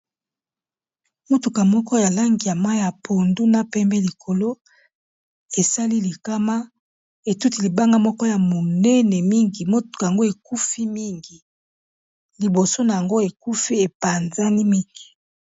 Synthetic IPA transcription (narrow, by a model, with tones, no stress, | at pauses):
mo˦tu˨ka˨mɔ˦kɔ˦ja˨la˦ŋɡi˨ja˨ma˦jja˨pʰo˨ndu˦na˦pɛ˦mbɛ˦li˨kʰo˨lo˦ | e˨sa˦li˦li˨ka˦ma˦ | e˨tu˦ti˨li˨ba˦ŋɡa˦mɔ˦kɔ˦ja˨mo˨nɛ˦nɛ˨mi˦ŋɡi˨mo˦tu̥˨ka˨ja˨ŋɡo˦e˨ku˦fi˦mi˦ŋɡi˨ | li˨bo˨so˦na˨ja˨ŋɡo˦e˨ku˦fi˦e˨pa˨nza˦ni˦mi˦ŋɡi˨